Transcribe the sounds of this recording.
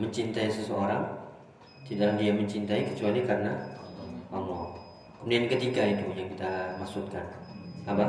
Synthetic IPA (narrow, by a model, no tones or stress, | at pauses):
məɲt͡ʃint̪aisəsəoɾaŋ | t̪idalahdiaməɲt͡ʃint̪aikə̥t͡ʃualikarəna | ʔamɔ | kəmudiankət̪iɡait̪ujaŋkit̪amaksut̪̚kanapa